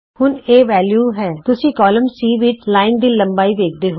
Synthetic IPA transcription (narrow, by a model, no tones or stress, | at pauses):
hʊneːʋɛːljuːɦɛːt̪ʊsĩːkɔːləmsiːʋɪt͡ʃlaːɪnd̪iːlə̃mbaːiːʋeːk̚d̪eːɦo